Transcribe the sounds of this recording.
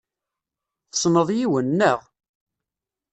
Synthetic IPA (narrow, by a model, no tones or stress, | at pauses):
θə̥sˤnəðˤjiwənːəʁ